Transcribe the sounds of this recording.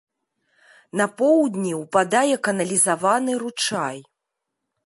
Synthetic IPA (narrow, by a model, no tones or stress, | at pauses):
nɐpɔwd̪ʲnʲiwpad̪ajɛkɐnɐlʲizavanɨɾut͡ʂaj